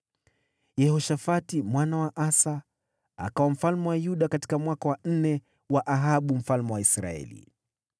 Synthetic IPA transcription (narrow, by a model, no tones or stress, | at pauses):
jɛhɔʃafatimwanawaʔasa | a̰kawam̩falmɛwajuɗakati̥kamwakawan̩nɛ | waʔaɦaɓum̩falmɛwaisɾa̰ɛ̰lḭ